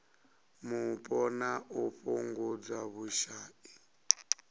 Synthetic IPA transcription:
mupʼɔnaʔuɸuŋɡud͡zaβuʃaːʔi

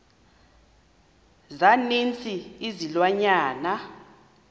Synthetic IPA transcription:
zanint͡sʰʼiizilwaɲaːna

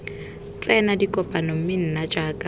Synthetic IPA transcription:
t͡ɬʼɛnadikʼɔpʼanom̩mɪn̩nad͡ʒaːkʼa

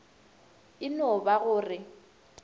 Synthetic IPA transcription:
ɪnɔbaɣʊːrɪ

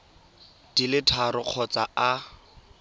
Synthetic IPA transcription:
d̥ilɪtʰarʊq͡χʰɔt͡saʔa

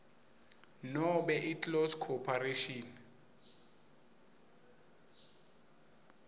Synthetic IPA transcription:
nɔɓɛʔitʼlɔskʰɔpʰareʃɔn

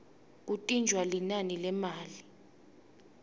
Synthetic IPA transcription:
k̬utʼind͡ʒʱwalinanilɛmaːli

